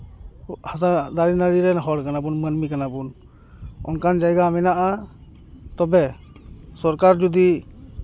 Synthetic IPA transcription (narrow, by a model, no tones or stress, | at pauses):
hazaɾd̪aɾinaɾiɾɛnaɦɔɾkanabɔnmənmikanabun | ɔ̰nkʰand͡ʒajɡaːmɛnaʔa | t̪ɔbɛ | sɔɾkaɾd͡ʒud̪i